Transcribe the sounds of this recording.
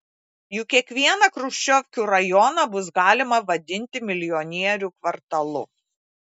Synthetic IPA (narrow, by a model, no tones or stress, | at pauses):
jʊkʲiɛkʋʲiɛnɐkɾʊʃʲt͡ʃʲɔʋʲkʲuːɾɐjɔnɐbʊsɡɑːlʲɪmɐʋɐd̪ʲɪnʲt̪ʲɪmʲɪlʲɪjɔnʲiɛɾʲuːkʋɐɾt̪ɐlˠʊ